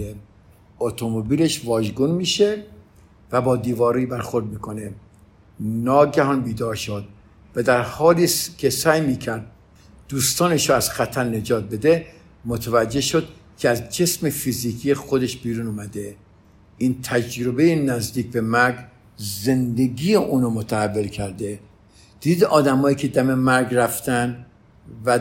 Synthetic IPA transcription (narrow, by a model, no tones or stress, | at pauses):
e | ot̪ʰomobiːleʃvɒːʒɡunmiːʃe | væbɒːd̪iːvɒːɾibæɾxoɾd̪̚miːkʰone | nɒːɡæɦɒːnbiːd̪ɒːɾʃod̪̚ | væd̪æɾhɒːliːskʰesæːjmiːcʰæɾd̪̥̚ː | uːst̪ɒːneʃɾoæz̥xæt̪ʰæɾne̞d͡ʒɒːt̪̚be̞d̪e | mot̪ʰævæd͡ʒːe̞hʃod̪̥̚cʰeæzd͡ʒe̞smefiziːkʰijexod̪e̞ʃbiːɾuːnuːmæd̪e | ʔiːnt̪ʰæd͡ʒɾobe̞jenæzd̪iːk̚bemæɾɡ | ze̞nd̪e̞ɡiːjeʔuːnomot̪ʰæhævːelkʰæɾd̪e | d̪̥iːd̪ɒːd̪æmhɒːjiːcʰe̞d̪æme̞mæɾɡɾæft̪ʰænd̪ | væ